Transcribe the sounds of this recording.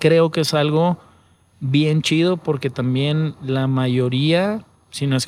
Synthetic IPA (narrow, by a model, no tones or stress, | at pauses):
kɾe̞o̞keesalɣo̞ | βje̞nt͡ʃiðo̞po̞ɾke̞t̪ambje̞nlamaʝo̞ɾia | sinoes